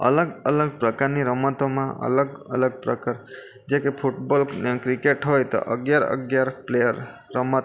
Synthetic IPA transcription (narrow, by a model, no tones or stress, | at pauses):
ə̰ləɡələɡ̚pɾəkaɾniɾəmət̪omãə̰ləɡə̰ləɡ̚pɾəkaɾ | d͡ʒekepʰuʈbɔlkɾikeʈɦojt̪ɔ̰ʔə̰ɡjaɾə̰ɡjaɾplejəɾːəmət̪